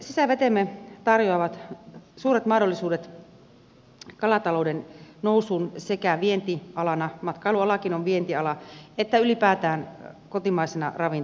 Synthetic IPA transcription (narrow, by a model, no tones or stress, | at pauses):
sisæʋet̪emːet̪ɑrjoɑʋɑt̪suːret̪mɑhdolːisuːdet̪ | kɑlɑt̪ɑloudennousuːnsekæʋient̪iɑlɑnɑmɑt̪kɑiluɑlɑkinoʋʋient̪iɑlɑet̪ːæylipæːt̪æːnkot̪imɑisenɑ̰rɑʋin